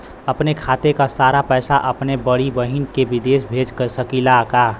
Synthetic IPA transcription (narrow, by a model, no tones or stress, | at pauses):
əpnekʰaːt̪ekasaːɾapɛːsaʔɐpnebəɽibəɦinkebɪd̪eːsbʱeːd͡ʒkəɾsəkilakaː